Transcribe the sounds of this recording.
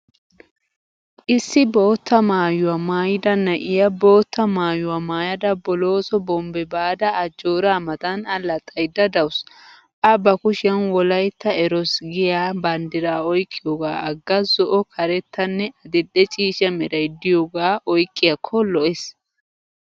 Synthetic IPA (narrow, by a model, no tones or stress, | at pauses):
ʔɪsːɪbo̞ːt̪ːɐmaːjʊwamaːjɪd̪ɐnːɐʔɪjɐbo̞ːt̪ːɐmaːjʊwamaːjɐd̪ɐbɔlo̞ːsɔbɔmbɛbaːd̪ɐːd͡ʒoːɾaːmɐt̪ɐnɐlːɐt̪ʼːɐjd̪ɐd̪ɐws | ʔɐbɐkʊʃɪɐnwɔlɐjt̪ːɐɛɾɔsɡɪjaːbɐnd̪ɪɾaːɔjkʼːɪjoɡa̰ːɐɡːɐzɔʔɔkʰɐɾɛt̪ːɐnːɛɐd̪ɪd̪ːɛt͡ʃʼiːʃɐmɛɾɐjd̪ɪjoːɡaːʔɔjkʼːɪjɐkʰːɔlɔʔes